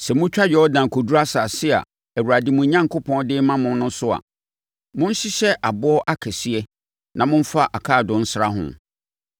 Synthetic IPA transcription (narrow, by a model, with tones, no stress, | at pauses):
sɛ˨mʊ̃˦t͡ɕᶣa˦ɥɛ˨ɔ˦dã˨kʰɔ˨du˦ɾa˦sa˨sɪ˦a̰˨ | æ˨wu˨ɾa˨dɪ˨mũ˨˦ɲã˦ŋkʊ˦pʰɔ̃˦ndɪ˦mã˦mʊ̃˦n˦nʊ̃˦sʊ˦a̰˨ | mʊ̃˦n̩˦ɕɪ˦ɕɛ˦ʔa˨bʊ˦ɔ˦ʔa˦kʰɛ˨si˦ɛ˦ | nʔã˨mʊ̃˦ɱ̩˦fa˦ʔa˨kʰaː˦˨dʊ̃˨n̩˦sɾa˦ɦʊ̰̃˨